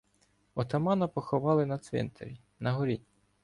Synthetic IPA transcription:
ɔt̪ɐmɑnɐpɔxɔʋɑlˠɪnɐt̪sʋʲḭnt̪ʰḛɾʲi | nɐɦɔɾʲi

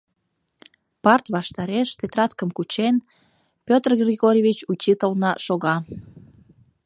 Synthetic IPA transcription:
pɑrt̪βɑʃt̪ɑɾeʃt̪et̪rɑt̪kəmkut͡ɕen | pʲøt̪rɡrʲiɣoɾʲjevʲit͡ɕut͡ɕit̪əlnɑʃoɣɑ

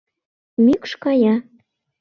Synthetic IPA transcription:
mykʃkɑjɑ

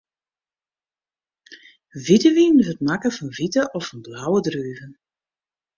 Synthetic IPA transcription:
vitəʋinvətmakəfɑnvitəʔɔfɑnblawədryːvən

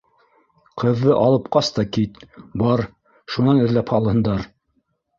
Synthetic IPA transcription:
qɤ̆ðːɤʔɑlˠɤ̆p̚qɑst̪ɑkit̪bɑɾ | ʃunɑnɘ̆ðlæphɑlˠhɤ̆nd̪ɑɾ

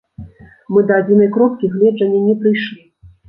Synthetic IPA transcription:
mɨd̪ɐad͡zʲinɐjkɾɔp̚kʲiɣlʲɛd͡ʐɐnʲːɛnʲɛpɾɨjʂlʲi

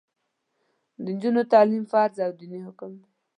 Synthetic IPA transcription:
d̪ənd͡ʒunot̪ɑlimfɑɾzawd̪inihʊkʊmd̪

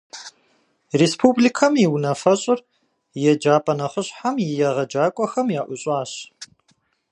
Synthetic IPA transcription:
respʰublikʰɐmjiwnɐfɐɕʼɪr | jɛd͡ʒaːpʼɐnɐχəɕħamjɪjɛʁɐd͡ʒaːkʷʼɔxɐmjaːʔʷʊɕʼaːɕ

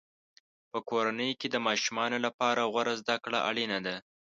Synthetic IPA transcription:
pəkoɾanəjked̪əmɑʃumɑnolapɑɾaɣwaɾazd̪akɽaʔaɽinad̪a

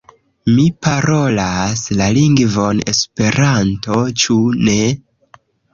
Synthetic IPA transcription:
mipaɾo̞laslaliŋɡvo̞ne̞̰spe̞ɾanto̞t͡ʃune̞

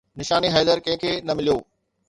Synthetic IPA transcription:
nɪʃaːniɦɛːzəɾkɐ̃ɦɪ̃kʰeːnɐmɪlijoː

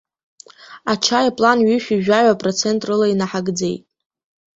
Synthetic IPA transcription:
at͡ʃʰajapʼlanɥiʃᶣiʒᶣaʕʷapʼrot͡sʰe̞ntʼrɨlainaħaɡd͡ze̞jtʼ

